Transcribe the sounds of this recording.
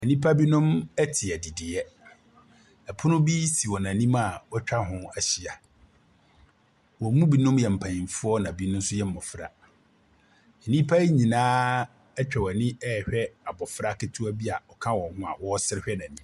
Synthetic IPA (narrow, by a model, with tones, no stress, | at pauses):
ɛ˨nĩ˦pʰa˦bi˦nʊ̃˦mɛ˦tʰɪ˨ɛ˨di˨dɪ˨ɛ˦ | ɛ˨pʰʊ̃˦nʊ̃˦bi˦si˨wɔ˨nã˨nĩ˦ma˨wɔ˦t͡ɕᶣa˦ɦʊ̃˦a˨ɕi˨a˨ | wɔ˨˦mũ˦bi˦nʊ̃˦mjɛ˨m̩˨pʰã˨nĩ˨fʊ˦ɔ˦nã˨bi˦nʊ̃˦n̩˦sʊ˦jɛ˦m̩˨mɔ˨fɾa̰˨ | ɛ˨nĩ˦pʰa˦ɲĩ˨nãː˦ | ɛ˦t͡ɕᶣɛ˨wɔ˨nɪ̃˦ɛ˦˨hᶣɛ˦a˨bɔ˨fɾa˦kɪ˦tʰu˦a˦bi˦a˨ɔ˨kʰã˦wɔ̃˨hʊ̃˦a˨wɔ˦sɪ˦ɾɪ˦ɕᶣɛ˦nã˨nĩ˦